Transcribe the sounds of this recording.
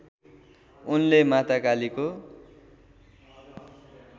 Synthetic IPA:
unlemat̪akaliko

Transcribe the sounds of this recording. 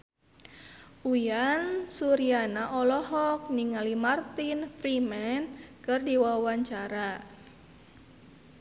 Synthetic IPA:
ʔujansuɾianaʔɔlɔɦɔk̚niŋalimart̪infɾimɛnkɨrdiwawaɲt͡ʃaɾa

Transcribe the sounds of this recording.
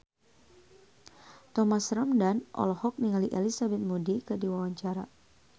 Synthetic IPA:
t̪ɔmasɾamdanʔɔ̰lɔhɔk̚niŋaliʔelisabɛt̪̚mudikɨdiwawaɲt͡ʃaɾa

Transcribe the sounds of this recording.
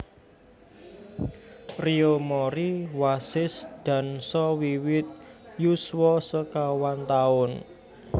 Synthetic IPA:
riomɔɾiwasɪsd̪̥a̤nsɔwiwɪt̪̚juswɔsəkawant̪aʊn

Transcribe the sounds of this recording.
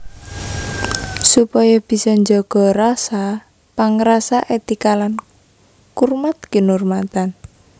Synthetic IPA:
supɔjɔb̥i̤sɔɲd͡ʒɔɡ̥ɔɾasa | paŋɾasaʔet̪ikalan | kurmat̪̚kənurmat̪an

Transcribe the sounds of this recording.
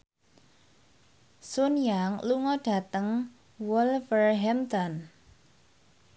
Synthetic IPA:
sʊnjaŋluŋɔɖ̥ä̤t̪əŋ | wɔlfərɦɛmt̪ɔn

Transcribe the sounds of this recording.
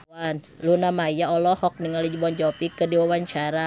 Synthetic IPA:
an | lunamaijaɔlɔhɔk̚nəŋalid͡ʒbɔnd͡ʒɔpikədiwawaɲt͡ʃaɾa

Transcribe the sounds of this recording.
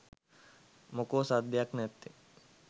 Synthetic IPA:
mokoːsad̪ʱjaknet̪ːe

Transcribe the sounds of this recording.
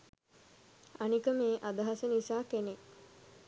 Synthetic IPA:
anikəmeːʔad̪əɦasənisaːkene

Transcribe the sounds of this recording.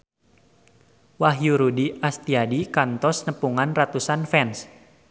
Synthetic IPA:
waɦjuɾudiʔast̪iadikant̪ɔsnəpuŋanrat̪usanfɛns

